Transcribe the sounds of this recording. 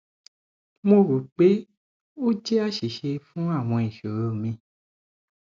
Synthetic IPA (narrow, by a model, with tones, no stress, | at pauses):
mõ˧ɾu˨k͡pe˦ | o˦d͡ʒe˦a˦ʃi˨ʃe˧fũ˦a˦˨w̃ɔ̃˧i˨ʃo˨ɾo˦˨mĩ˧